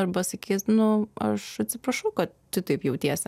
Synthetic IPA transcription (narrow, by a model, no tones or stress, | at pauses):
ɐɾbɐsɐkʲiːsnʊɐ̰ʃɐt̪ʲsʲɪpɾɐʃɐʊkɐt̪ | tʲʊt̪ɐɪpjɛʊt̪ʲiɛsʲ